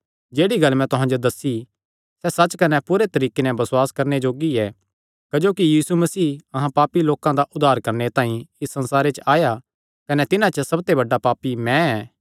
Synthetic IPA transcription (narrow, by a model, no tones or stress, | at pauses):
d͡ʒeːɽiɡɐlmɛ̃t̪ʊɦãd͡ʒod̪ɐsːi | sɛsɐt͡ʃkɐnɛpuɾet̪ɐɾiːkenɛbɐswaːskɐɾned͡ʒoːɡiɛ | kɐd͡ʒoːkijiːsumɐsiːɐɦãpaːpiloːkãd̪aʔʊd̪ʱaːɾkɐɾnet̪ãːĩɪsːɐ̃nsaːɾet͡ʃəaːja | kɐnɛt̪ɪnãt͡ʃəsɐb̚t̪ebɐɖːapaːpimɛ̃ɛː